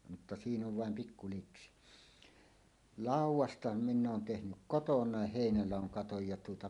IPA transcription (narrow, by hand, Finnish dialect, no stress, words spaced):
mutːɑ siːn oʋ ʋɑˑem pikːu liksi lɑˑuwˑɑstɑ minː oːn tehnyk kotonˑɑˑeh heˑinælɑˑoŋ kɑtoj jɑ tuotɑ